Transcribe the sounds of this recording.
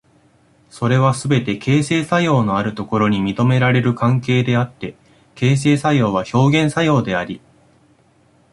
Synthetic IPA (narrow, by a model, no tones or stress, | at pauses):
so̞ɾe̞β̞asɨbe̞t̪e̞ke̞ːse̞ːsajo̞ːno̞aɾɯ̟t̪o̞ko̞ɾo̞ɲ̟imʲit̪o̞me̞ɾaɾe̞ɾɯ̟kãŋke̞ːd̪e̞at̪ːe̞ | ke̞ːs̬e̞ːsajo̞ːβ̞aço̞ːɡẽ̞ɰ̃sajo̞ːd̪e̞aɾʲi